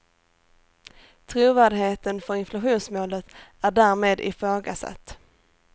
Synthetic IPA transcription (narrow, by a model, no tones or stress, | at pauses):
t̪ʰɾuːvæːɖɦeːt̪ənfœɾɪnflaɧuːnsmoːlət̪æɖæːɾmeːd̪ɪ̰fɾoːɡa̰sa̰t̪ː